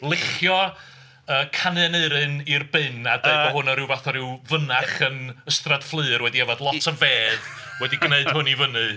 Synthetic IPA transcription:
lˠɪχjɔ | əːkʰanɛneɨɾɨnirbɨnadɛbɔɦʊnɔɾɪwvaθɔɾɪwvənaχənəstrad̥flˠɨɨrwɛdiɛvadlˠɔtʰəveːð | wɛdiɡneɨd̥hʊnivənɨ

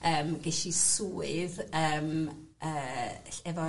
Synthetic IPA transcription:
əːmɡɛɬisuːɨðəːm | əːɬɛvɔ

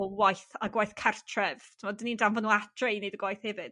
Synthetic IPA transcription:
wajθaɡwajθkʰartʰrɛv̥tʰɪmɔdənindanvənuatʰrejnedəɡwajθhɛvɨd̥

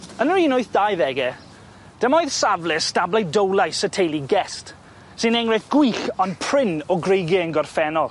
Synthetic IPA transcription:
ənəriːnʊɨθd̥ajðɛɡɛ | d̥əmɔjðsavlˠɪstablˠajdowlˠajsətʰejlˠiɡɛst | sɪnɛŋrɛθɡ̥wiɬɔnpʰr̥ɪnɔɡrejɡɪənɡɔrfɛnɔlˠ

